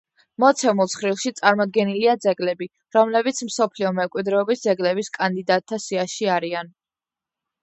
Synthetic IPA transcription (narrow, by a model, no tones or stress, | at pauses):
mɔt̪sʰɛmulˠsχɾilˠʃit̪sʼaɾmɔd̪̚ɡɛniliad̪zɛɡlɛbi | ɾɔmlɛbit̪sʰmsɔpʰliɔmɛmkʼwid̪ɾɛɔbisd̪zɛɡlɛbiskʼand̪id̪at̪ʰːasiaʃiaɾian